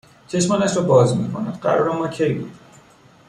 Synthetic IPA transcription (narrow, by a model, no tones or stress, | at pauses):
t͡ʃʰe̞ʃmɒːnæʃɾɒbɒːzmḭːkʰonæd̪̥ɢæ̰ɾɔ̰ːɾæmːɒːcʰejbṵːd̪̥i